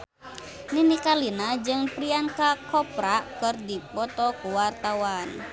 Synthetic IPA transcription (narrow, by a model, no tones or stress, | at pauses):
ninikalinad͡ʒɨŋpɾiankakɔpɾakɨrdipɔt̪ɔkuwart̪awan